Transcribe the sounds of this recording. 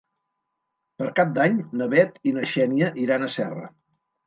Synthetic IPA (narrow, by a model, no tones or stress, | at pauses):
pəɾkap̚d̪aɲnəβɛt̪inəʃɛniəʔiɾanəsɛrə̰